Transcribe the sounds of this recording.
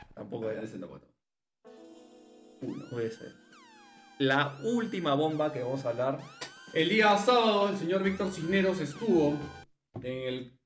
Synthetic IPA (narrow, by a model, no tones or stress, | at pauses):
t̪a̰mpokoeanesenoko̰t̪o | unopweðesḛɾ | lault̪imaβ̞o̞mbake̞βamos̬aβlaɾe̞ld̪iaasaβaðoels̬e̞ɲo̞ɾβik̚t̪oɾt͡ʃixne̞ɾo̞s̬e̞st̪uβo̞ | eŋel